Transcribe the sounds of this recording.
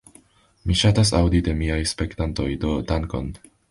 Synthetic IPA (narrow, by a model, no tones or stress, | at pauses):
miʃatas̬a̰wd̪id̪e̞miajspekt̪anto̞jdotaŋko̰n